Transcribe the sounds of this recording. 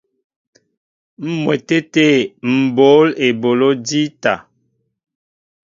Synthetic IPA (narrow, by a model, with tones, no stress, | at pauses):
m̩˦mwɛ˨te˦te˦˨m̩˨bo˨˦le˨bo˨lo˦di˦ta˨